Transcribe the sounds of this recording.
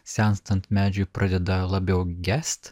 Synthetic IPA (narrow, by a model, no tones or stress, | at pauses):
sʲænst̪ɐnt̪mʲæːd͡ʒʲʊpɾɑd̪ʲɛd̪ɐlˠɐbʲɛʊɡʲæsʲt̪ʲ